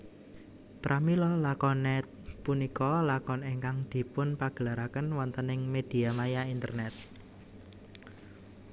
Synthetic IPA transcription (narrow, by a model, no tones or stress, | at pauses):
p̪ɾʔamilɔlakɔnɛt̪̚ | punikɔlakɔneŋkaŋd̪̥i̤pʊnpaɡ̥əlaɾakənwɔnt̪ənɪŋmed̪̥i̤amajaint̪ə̰rnɛt̪̚